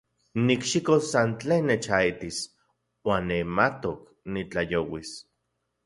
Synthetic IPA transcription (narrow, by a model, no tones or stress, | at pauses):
nikʃikosːant͡ɬeːnːet͡ʃait̪is | waːnːemat̪ok | nit͡ɬajowis